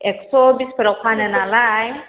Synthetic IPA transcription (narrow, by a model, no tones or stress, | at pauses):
eksɔbispɾɔkʰanɛnalaj